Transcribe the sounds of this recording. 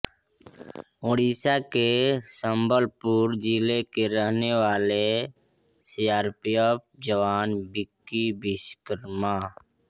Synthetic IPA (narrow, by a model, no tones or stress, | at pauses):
oːɽiːsakesəmbəlpuɾd͡ʒiːlekeɾəɦneʋaːle | sijaːɾpijəp̚d͡ʒəʋaːnbɪkːibɪskəɾma